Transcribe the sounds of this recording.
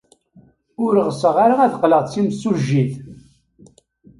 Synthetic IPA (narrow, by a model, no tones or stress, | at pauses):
ʊɾəʁəsəʁaɾaæðqləʁˤt͡sːimsuʒːiθ